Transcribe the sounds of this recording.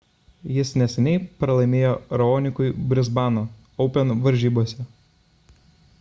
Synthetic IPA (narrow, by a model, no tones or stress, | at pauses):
jɪsnʲɛsʲɛnʲɛɪpɾɐlˠɐɪmʲeːjoɾɐoːnʲɪkʊɪbʲɾʲɪzbɑːnoː | ɒʊpʲɛnʋɐɾʲʒʲiːbuɔsʲɛ